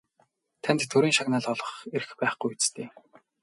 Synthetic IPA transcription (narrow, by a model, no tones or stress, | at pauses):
t̪ʰænt̪t̪ʰːɵɾiːŋʃaɣnaːɮɔɮɞ̆χeɾ̆xpæːχɡujut͡st̪ʰeː